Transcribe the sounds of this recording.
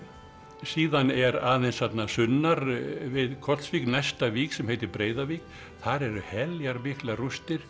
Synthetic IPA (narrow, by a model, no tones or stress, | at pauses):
siːðanɛɾaːðejnshat̪nasʏnːaɾvɪðkʰɔt̪sviːknajst̪aviːksɛmhejt̪ɪɾpɾeːjðavik̚ | θaɾɛɾʏhɛljaɾmɪhklarust̪ɪɾ̥